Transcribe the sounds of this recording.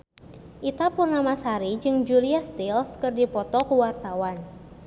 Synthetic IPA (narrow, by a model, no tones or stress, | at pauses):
ʔit̪apurnamasaɾid͡ʒɨŋd͡ʒuliast̪ilskɨrdipɔt̪ɔkuwart̪awan